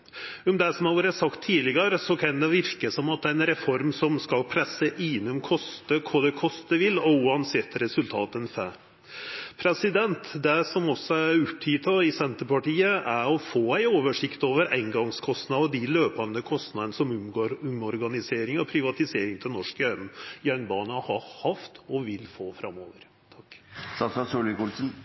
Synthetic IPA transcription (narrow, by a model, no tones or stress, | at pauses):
ʉmd̪ɛsɔmhɑʋɛɾət̪sɑkt̪ʰːiːlɪɡəɾəsɔkʰɑnd̪ɛʋɪɾkəsɔmɑt̪̚ːɛnɾɛfɔɾmsɔmskɑlpʰɾɛsːəʔiːnʊmkʰɔst̪əkʰɔd̪ɛkʰɔst̪əʋɪlːɔʉːɑnsɛt̪ːɾɛsʉlt̪ʰɑ̰ːt̪ənfæ | pʰɾɛsɪd̪ɛnt̪d̪æsɔmɔsɔæɾʉːt̪ʰːɪt̪ʰɑɪsɛnt̪əpɑʈiːəæɾɔfoːæɪoːʋəʂɪkt̪oːʋəɾæ̰ɪŋɡɑŋskʰɔst̪nɑd̪ɔd̪ɪløːpɑnd̪əkʰɔst̪nɑd̪ənəsɔmʉmoɾʉmɔɾɡɑnɪseːɾɪŋɔpʰɾɪʋɑt̪ɪseːɾɪŋt̪ʰɪlnɔʂkjœmjœnbɑːnɑhɑhɑft̪ɔʋɪlfoːfɾɑmoːʋəɾ | t̪ʰɑkːsɑsɑsulɪkulsn̩